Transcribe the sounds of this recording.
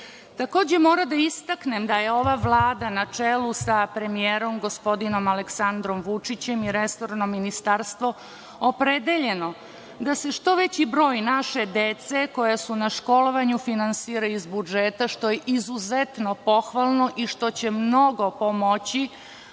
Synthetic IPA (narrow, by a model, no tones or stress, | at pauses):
t̪ako̞ːd͡ʑe̞mo̞ːɾad̪aist̪aknemd̪ajeo̞ʋaʋlˠaːd̪anat͡ʂelusapɾe̞mijeːɾo̞mɡo̞spo̞d̪ino̞maleksand̪ɾo̞mʋut͡ʂit͡ɕe̞miɾeso̞ɾnomːinist̪aɾst̪ʋo̞ | opɾed̪eʎe̞no̞ | d̪ase̞ʃt̪o̞ʋet͡ɕibɾo̞ːjnaʃe̞d̪e̞t̪se̞ko̞jasunaʃko̞lo̞ʋaɲufinansiːɾaizbud͡ʒet̪aʃt̪o̞jeʔizuzet̪no̞po̞xʋalˠno̞ʔiʃt̪o̞t͡ɕemno̞ɡo̞pomot͡ɕi